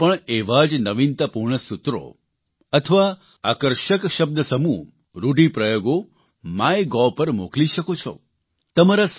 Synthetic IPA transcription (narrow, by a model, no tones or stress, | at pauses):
pəɳeʋad͡ʒnəʋint̪apuɾɳəsut̪ɾo̰ | ət̪ʰəʋa | akəɾʃəkʃəb̚d̪ʱəsəmu | ɾuɖipɾəjoɡo | maeɡɔpəɾmokliʃəkot͡ʃʰɔ̰ | t̪əmaɾas